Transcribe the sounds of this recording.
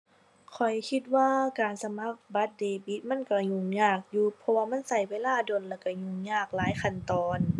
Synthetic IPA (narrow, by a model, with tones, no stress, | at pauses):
kʰɔ˨˩jkʰi˧t̪̚waː˧kaː˨˩nsa˧ma˧˥˨k̚ba˧˦t̪̚deː˨˩bi˧˦t̪̚ma˧˥˨nka˧˩ɲuː˧˩ŋɲaː˧˩k̚juː˧pʰɔ˧waː˧ma˧˥˨nsa˧˩jweː˧˥˨laː˧˩˨do˨nlɛː˧˩ka˧˩ɲuː˧˩ŋɲaː˧˩k̚laː˨˦jkʰa˧˨nt̪ɔː˨˧n